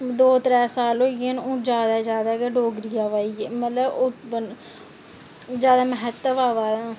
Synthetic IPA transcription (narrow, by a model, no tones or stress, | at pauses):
d̪oːt̪ɾɛːsaːlɦoːienõːd͡ʒjaːd̪aːd͡ʒjaːd̪aːkeɖoːɡɾɪjaːʋaːieːmət̪ləbʊbən | d͡ʒjaːd̪aːməɦət̪ːəʋaːʋaː